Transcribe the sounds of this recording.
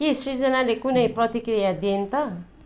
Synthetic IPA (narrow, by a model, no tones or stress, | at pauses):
kesid͡zʌnalekunʌjprʌt̪ikrijad̪int̪ʌ